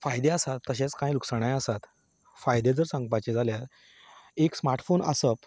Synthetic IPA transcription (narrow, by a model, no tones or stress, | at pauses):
fajd̪eəsat̪ːəɕẽt͡skãjluksəɽ̃ajəsat̪ | fajd̪ed͡zəɾsãŋɡ̚pat͡ɕed͡zʱaljaɾ | eksmaɾʈfonə̰səp